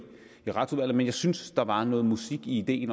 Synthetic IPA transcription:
iʁɑ̈t͡sʰuʋæl̰ð̩ˠmenjɑɪsynsd̥ɑ̈ʋɑ̈nɔ̽ːð̞̩ˠmusiɡ̥iːd̥e̝̰ːn

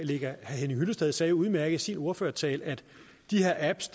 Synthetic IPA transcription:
le̝ɡ̥ɐhhenihyləsd̥eð̞ˠsɛːjouð̞ˠmæɐɡ̥əð̩ˠsino̝ɐføːɐt͡sʰɛ̰ːlæd̥ | d̥ihe̝ɐæb̥sd̥

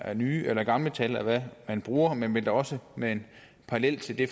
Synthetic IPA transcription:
æɐnyːʔelɐɡ̥ɑ̈mlət͡sʰælæʋæmænb̥ʁuːɐmenʋeld̥ɑɒ̽səmee̝n | pʰɑ̈ɑlel̰t͡sʰe̝ld̥e̝

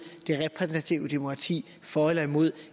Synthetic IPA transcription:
d̥e̝ʁɛpʰʁɛsn̩t͡sʰæt͡sʰiʊəd̥e̝mokʰʁɑ̈t͡sʰḭː | fɒːelɐimo̝ð̰ˠ

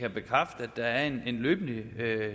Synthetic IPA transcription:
kʰæb̥e̝kʰʁɑfd̥əæd̥ːɑ̈æɐe̝ne̝nlø̰ːb̥n̩liø

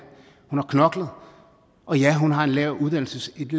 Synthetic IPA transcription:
hunhɑ̈kʰnɒ̽ɡ̥lðˠ | ʔɒ̽jæɦunɦɑ̈e̝nlɛʊʔuðˠd̥æn̰l̩səsed̥l

